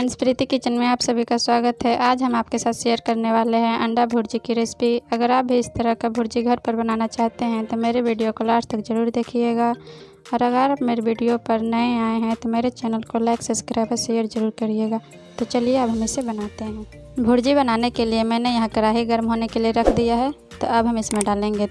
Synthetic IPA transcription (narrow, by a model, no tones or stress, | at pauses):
ənspɾit̪ikit͡ʃənmẽaːpsɐbʱikaswaːɡət̪ɦɛʔaːd͡ʒɦɐmaːp̚kesaːt̪ʃejəɾkəɾneʋaːleɦɛ̃ʔɐ̃ɳɖabʱʊɾd͡ʒikiɾɪspiɐɡəɾaːp̚bʱiɪst̪əɾəɦkabʱʊːɾd͡ʒiɡʱəɾpɐɾbənaːnat͡ʃaːɦt̪eɦɛ̃t̪omeːɾeʋiɖijokolaːɾt̪ɐkzəɾuːɾd̪eːkʰieːɡa | ɔːɾɐɡəɾaːmeːɾebiːɖijopɐɾnəẽaːeɦɛ̃t̪omeːɾet͡ʃɛːnəlkolɛːɪksəskɾaɪpəʃejəɾzəɾuːɾkəɾieɡaː | t̪ot͡ʃɐlijeɐbɦɐmesebɐnaːt̪eɦɛ̃ː | bʱʊɾd͡ʒibɐnaːnekeliemɛ̃ːnejɐɦãkɐɾaːɦiɡəɾmɦoːnekelieɾɐkʰd̪ijaɦɛ | t̪o̰ɐbɦɐmɪsmẽɖaːlẽːŋɡe